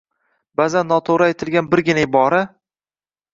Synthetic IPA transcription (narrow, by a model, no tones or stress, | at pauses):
bazanːɒt̪ʰoɾaet̪ʰɪlɡʲanbɪɾɡʲɪnajɪbɒɾa